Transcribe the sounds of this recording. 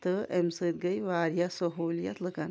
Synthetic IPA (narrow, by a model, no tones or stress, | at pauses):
t̪ɨʔemsɨt̪̚ɡəjʋaːɾijɐsoɦoːlijɐt̪lɨkɐn